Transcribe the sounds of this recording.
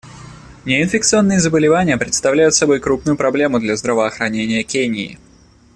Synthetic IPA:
nʲɪɪnfʲɪkt̪sɨo̞nːɨjɪzəbəlʲɪvanʲɪjəpɾʲɪt̪st̪ɐvlʲæjʊt̪sɐbo̞jkɾup̚nʊjʊpɾɐblʲe̞mʊd̪lʲazd̪ɾəvəɐxɾɐnʲenʲɪjəkʲenʲɪɪ̰

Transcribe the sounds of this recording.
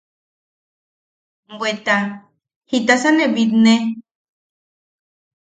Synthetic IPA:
bwet̪a | hit̪asaneβit̪ne

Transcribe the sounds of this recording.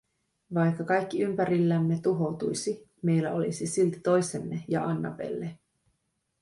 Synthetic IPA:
ʋɑjkːɑkɑjkːiympæɾilːæmːe̞t̪uɦo̞wt̪ujsi | me̞jlːæo̞lisisilt̪i̥t̪o̞jse̞mːejɑ̰ɑnːɑ̰pe̞̰lːe

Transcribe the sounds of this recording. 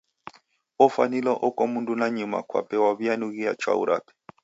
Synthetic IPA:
ɔfanilɔʔɔkɔmundunaɲuma̰kwa̰pɛwaβianuɣiat͡ʃwa̰ṵɾa̰pɛ̥

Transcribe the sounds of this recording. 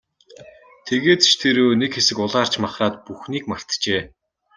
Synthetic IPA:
t̪ʰeɣeːt̪ʃt̪ʰeːɾoːnekxesɘ̆kʊɮaːr̥t͡ɕmaχraːt̪̚puxniːkmar̥t̪t͡ɕeː

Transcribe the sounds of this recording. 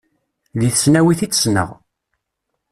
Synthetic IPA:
ðiθəsnæwiθit͡sːsnə̰ʁ

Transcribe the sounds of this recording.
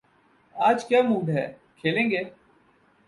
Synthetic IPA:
aːd͡ʒkjaːmuːɖɦɛ̰ː | kʰeːlẽːŋɡeː

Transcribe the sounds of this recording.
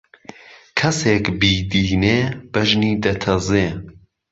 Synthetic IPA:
kʰɐseːkbiːd̪iːneːbɐʒniːd̪ɐt̪ʰɐzeː

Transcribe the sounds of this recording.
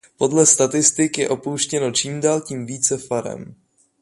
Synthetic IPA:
po̞dlɛst̪at̪ɪst̪ɪkjɛʔo̞powʃcɛno̞t͡ʃiːmdaːlciːmviːt͡sɛfaɾɛ̰m

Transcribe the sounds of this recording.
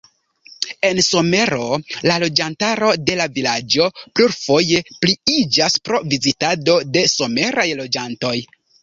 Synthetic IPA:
e̞nso̞me̞ɾo̞lalo̞d͡ʒantaɾo̞de̞lavilad͡ʒo̞pluɾfo̞je̞pliid͡ʒaspɾo̞vizitado̞de̞so̞me̞ɾajlo̞d͡ʒanto̞j

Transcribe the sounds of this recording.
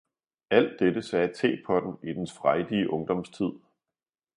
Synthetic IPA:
æl̰d̥ed̥əsɛːt͡sʰḛːpʰɒ̽d̥n̩id̥ensfʁaɪd̥iəʔɔ̽ŋd̥ɒ̽mst͡sʰið̞̰ˠ

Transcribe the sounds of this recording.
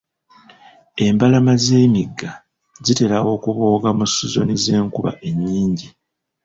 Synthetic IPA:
e̞mbalamaze̞ːmiɡːa | zite̞ɾawo̞ːkuβoːɡamusuzo̞̰nize̞ːŋkuβa̰ʔe̞ɲːiːɲɟi

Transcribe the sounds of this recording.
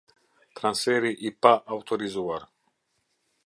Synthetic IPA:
t̪ɾansfɛɾiʔipaʔawt̪ʰoɾizuaɾ

